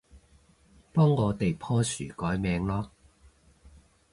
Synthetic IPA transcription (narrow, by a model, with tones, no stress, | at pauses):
pɔː˥ŋːɔː˨˧t̪e˨jpʰɔː˥sy̰ː˨˩kɔː˨˥jmɛː˨˧ŋlɔː˥